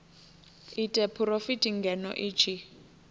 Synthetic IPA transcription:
itʼɛpʰurofitʼiŋɡɛnɔ̰ʔit͡ʃʰi

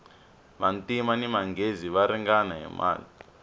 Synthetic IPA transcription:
βantimanimaŋɡeziʋaɾiŋɡanaɦɛ̰mʔa̰ːli

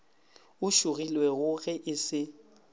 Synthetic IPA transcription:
ʊʃʊɣilwɛɣʊɣɛʔɪsɪ

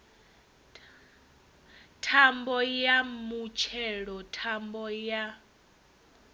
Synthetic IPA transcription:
tʰambɔjamut͡ʃʰɛɺɔtʰambɔja

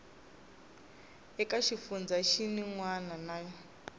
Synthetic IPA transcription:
ɛkaʃifund͡zaʃiniŋwananaːjɔ

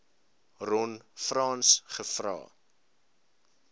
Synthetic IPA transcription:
rɔnfrɑːnsχəfrɑ̰ː

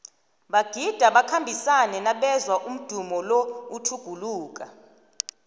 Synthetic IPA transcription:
ɓaɡ̥ʱid̥ʱaɓakʰambʱisanɛnaɓɛzwaʔum̩d̥ʱumɔlɔutʰuɡ̥ʱuluːk̬a

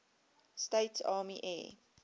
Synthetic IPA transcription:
steɪtsɑːmiʔɛ̰ː

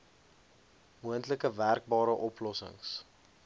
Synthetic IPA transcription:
muəntləkəværk̚bɑːɾəʔɔplɔsə̰ŋs

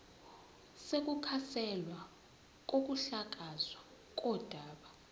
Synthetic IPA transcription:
sek̬ʼukʰasɛlwa | k̬ok̬uɬak̬azwa | k̬ʼɔd̥ʱaːɓa

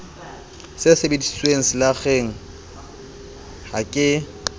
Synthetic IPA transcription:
sɪsɪbedi̥sweŋ̩sɪlaɣeŋ̩ | hakʼɪ

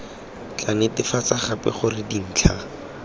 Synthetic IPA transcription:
t͡ɬʼanɪtɪfat͡saχapɛ̰χʊrɪdin̩ːt͡ɬʰa

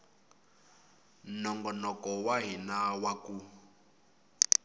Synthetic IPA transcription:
nɔŋɡɔnɔkɔwaɦinawaku

